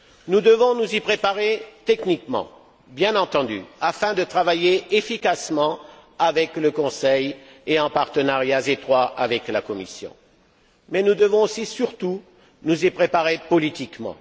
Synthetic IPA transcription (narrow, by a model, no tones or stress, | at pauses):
nud̪əvɔ̃nuzipχepaʁet̪ɛknikmɑ̰̃ | bjɛ̃nɑ̃t̪ɑ̃d̪y̰afɛ̃d̪ət̪χavajeefikasmɑ̃avɛkləkɔ̃sɛjeɑ̃paʁt̪ənaʁjazet̪χwaʔavɛklakɔmisjɔ̰̃ | mɛnud̪əvɔ̃osisyʁt̪u | nuzipχepaʁepɔlit̪ikmɑ̰̃